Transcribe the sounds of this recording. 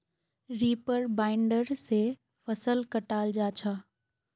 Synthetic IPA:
ɾiːpəɾbaːɪɳɖəɾse | fɐsəlkəʈaːld͡ʑaːt͡ɕʰaː

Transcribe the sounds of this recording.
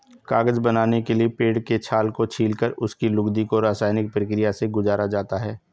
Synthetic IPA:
kaːɡəzbɐnaːnekeliepeːɽket͡ʃʰaːlkot͡ʃʰiːlkəɾʊskilʊɡd̪ikoɾaːsaːɪnɪk̚pɾəkɾɪjaseɡʊzaːɾad͡ʒaːt̪aɦɛː

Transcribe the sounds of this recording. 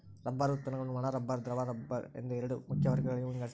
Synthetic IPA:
ɾɐbːaːɾɯt̪ːɐnɐŋɡʊɳːɯmaːnaːɾɐbːaːɾd̪ɪɾɐʋaːɾɐbaɾɛ̰nd̪ɐɪɾɯɽɯmʊkːɪjɐʋɐɾɣɐɭɐjɯmɪŋɡɐɭ

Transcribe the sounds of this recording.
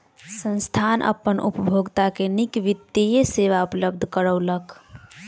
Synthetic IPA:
sə̃nst̪ʰanʔə̰pːənʔṵpəbʱoɡt̪akenikʋit̪ːejeseʋaupləb̚d̪ʱkəɾəwlək

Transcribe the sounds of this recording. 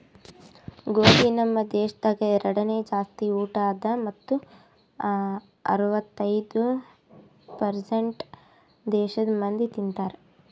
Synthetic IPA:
ɡoːɡinɐmːɐd̪ɛːʃɐd̪ɐːɡeɾɐɽɐneːd͡ʒaːst̪iuːʈaːd̪ɐmɐt̪ːu | ɐ̰ɾuʋɐt̪ːɐjd̪u | pɐɾseɳʈ | d̪ɛːʃɐd̪ɐmɐnd̪it̪int̪aːɾe

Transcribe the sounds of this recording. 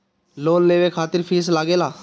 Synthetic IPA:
loːnːeːʋeːkʰaːt̪ɪɾpʰiːslaːɡeːlaː

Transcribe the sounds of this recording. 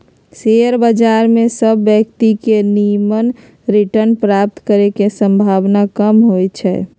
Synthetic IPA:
seəɾbəd͡ʒaɾmẽsəbːjəkt̪ikenijmən | ɾiʈəɾnpɾap̚t̪kəɾekesə̃mbʱaʋnakəmɦojt͡ʃʰɛ̰

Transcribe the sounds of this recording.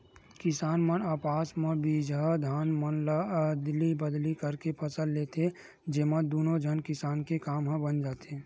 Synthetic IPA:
kɪsaːnmənaːpaːsmə̃bid͡ʒad̪ʱaːnmənld̪libəd̪likəɾkepʰəsəlleːt̪ʰe | d͡ʒeːmə̃d̪uːnod͡ʒʱənkɪsaːnkekaːmɦə̃bənd͡ʒaːt̪eː

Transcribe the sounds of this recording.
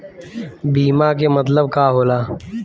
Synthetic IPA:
biːmaːkemɐt̪ləbkaːɦoːlaː

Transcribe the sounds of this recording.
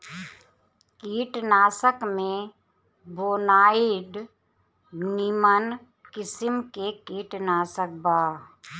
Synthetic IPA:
kiːʈnaːsəkmẽ | boːnaːɪɖ | nimən | kɪsɪmkekiːʈnaːsək̚baː

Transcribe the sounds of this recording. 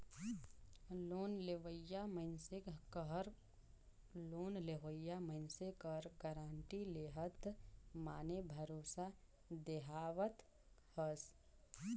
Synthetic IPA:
loːnleʋəjaməɪnsɪkɦɾ | loːnleɦojːaməɪnsekəɾɡəɾaːɳʈileɦət̪maːnebʱəɾoːsa | d̪eɦaːʋət̪ | həs

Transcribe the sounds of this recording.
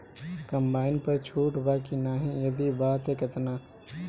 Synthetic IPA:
kɐ̃mbaːɪnpɐɾt͡ʃʰuːʈbaːkinaːɦĩjɐd̪ibaːt̪ɦɛkɪt̪naː

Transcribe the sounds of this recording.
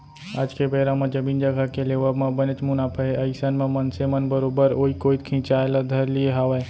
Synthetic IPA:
a̰ːd͡ʒkebeːɾamãd͡ʒəmiːnd͡ʒəɡʱakeleːʋəbmãbənət͡ʃmʊnaːpʰəɦeəɪsənmẽmənsemənbəɾoːbəɾoːikoːit̪̚kʰĩt͡ʃaːelad̪ʱəɾlieɦaʋe

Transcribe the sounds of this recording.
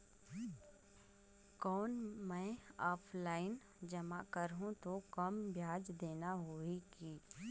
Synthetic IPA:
kɔːnmɛ̃ːɔːpʰlaːɪn | d͡ʒəma̰kəɾɦũt̪okɐmbʱjaːd͡ʒd̪eːnaɦoikiː

